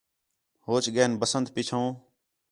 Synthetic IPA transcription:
hoːt͡ʃɠeːnbəsənd̪̚pɪt͡ʃʰõː

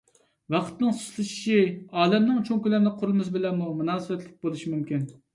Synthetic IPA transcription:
vɑqʰt̪nɨŋsu̥ʃlˠɨʃi̥ʃiɑːlɛmnɪŋt͡ʃʰoŋkʲylæɾnɪqʰʊɾɨlˠmɨsbɪlɛnmumunɑːsɨwɛt̪lɪk̚ʲbolˠuʃimymkʲin

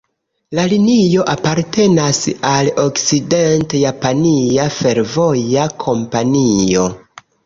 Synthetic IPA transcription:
lalinio̞ʔapaɾte̞nasalo̞kside̞ntjapaniafe̞ɾvo̞jakʰo̞mpanio̞̰

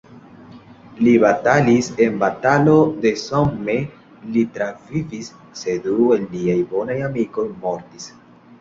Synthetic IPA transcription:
libatalise̞nbatalo̞de̞somːe̞ | litɾavivisː | e̞due̞lːiajbo̞najamiko̞jmo̞ɾtis

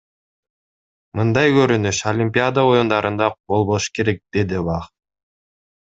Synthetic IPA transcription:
mɯnd̪ɑjkøɾynyʃolʲimʲpʲɪad̪ao̞jund̪ɑɾɯnd̪ɑbo̞lˠβoʃɯ̥ke̞ɾe̞k̚d̪̥e̞d̪ibɑχ

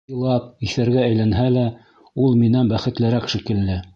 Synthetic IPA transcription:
lˠɑp̚iθæɾɡææjlænɦælæ | ulˠminænbæχɘ̆t̪lɘ̆ɾækʃikɘ̆lːɘ

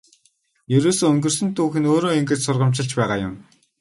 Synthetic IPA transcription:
jɵɾoːsoːɵŋɡ̪ɵ̆rsɵ̆nt̪ʰuːxɘ̆noːɾoːiŋɡĕt͡ɕsʊrʁə̆m̥t͡ɕɪ̆ɮt͡ɕpæːʁaːjʊ̰m

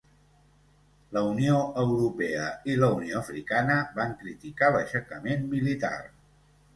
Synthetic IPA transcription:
ləunioəwɾupɛəiləunioəfɾikanəβaŋkɾit̪ikaləʃəkəmenmilit̪a̰r

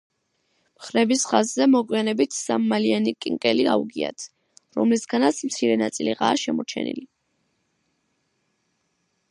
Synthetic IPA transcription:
mχɾɛbisχazzɛmɔɡʼwianɛbit̪ʰsamːalianikʼiŋkʼɛlia̰uɡia̰t̪ʰ | ɾɔmlisɡanat̪sʰmt̪sʰiɾɛnat̪sʼiliʁa̰ːʃɛmɔt͡ʃʰɛ̰nḭli

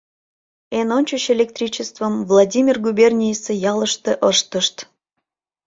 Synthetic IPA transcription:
enonʲt͡ɕuɕelʲek̚t̪rʲit͡ɕəst̪vəmvlˠɑdʲimʲirɡubʲerʲnʲijesejɑlˠəʃt̪eʔəʃt̪əʃt̪

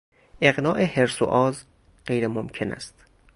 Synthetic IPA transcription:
ʔe̞ɣnɒːʔe̞heɾso̰ʔɒːz | ɢ̥ejɾemomcʰe̞næ̰st̪

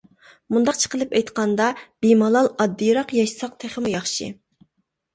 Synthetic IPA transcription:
mund̪ɑqt͡ʃʰə̥qəlˠɨpɛjt̪qɑnd̪ɑb̥imɑlˠɑlˠɑd̪ːijɾɑqjɑʃsɑq̚t̪ʰeχəmujɑχʃɨ̰

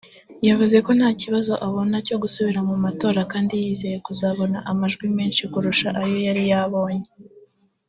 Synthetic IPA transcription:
javuze̞ko̞n̥haːciβazo̞ʔaβo̞naco̞ɡusuβiɾamumato̞ːɾakaːndijiːze̞je̞kuzaβo̞naʔamaʒɡwimeːnʃikuɾuʃaʔajo̞jaɾijaβo̞ːɲe

